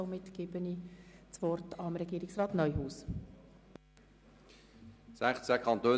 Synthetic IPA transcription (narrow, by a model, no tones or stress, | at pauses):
ɔmɪt̪ɡ̥ɪbənit͡sʋɔrtʰɑmɾɛɡ̥iːɾɪksrɑːt̪nœʏhuːs | sæχt͡sækʰɑnt̪øː